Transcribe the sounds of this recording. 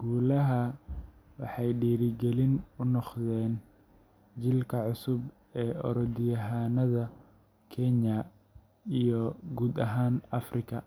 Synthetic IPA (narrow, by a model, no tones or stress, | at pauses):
ɡ̥uːlɐɦɐ | wɑ̰ħɑjɖiːɾɪɡɛlɪnʊnɔqðɛːn | t͡ʃɪlkʰɐʕʊsʊb | ɛːɔ̰ɾɔd̪ɪjɐɦaːnɐðɐ | kʰɛnɐ | ijɔɡuːd̪ɐɦaːnɐfrɪkʰɐ